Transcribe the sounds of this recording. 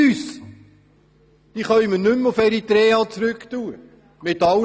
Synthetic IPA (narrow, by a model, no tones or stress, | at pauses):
yːs | d̥iːχœjmənʏmʊfɛɾit̪ɾɛːɑːt͡sɾʏktuːə | mɪtɑ